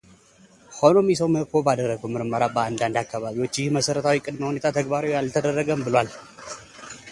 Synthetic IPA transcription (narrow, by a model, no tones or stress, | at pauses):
kʰo̞no̞misəwməkːo̞bad̪ərːəɡəwmɨɾməɾabəand̪and̪akːaβaβiwo̞t͡ʃːjɪhməsəɾət̪ʰawikʼɨd̪məhune̞t̪ʰat̪ʰəɡbaɾowjjalt̪ʰəd̪ərːəɡəmbɨlwal